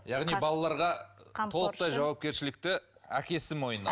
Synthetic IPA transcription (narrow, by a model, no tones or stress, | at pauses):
jɑʁnijbɑlˠɑlˠɑɾʁɑt̪ʰo̞lˠəq̚t̪ɑjʒɑwɑp̚kʲe̞ɾʃɪlɪk̚t̪ɪækʲe̞sɪmo̞jənɑ̰